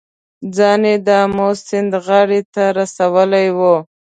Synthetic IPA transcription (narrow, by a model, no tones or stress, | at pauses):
d͡zɑned̪əmosɪnd̪ɣaɽet̪aɾasawəlajwo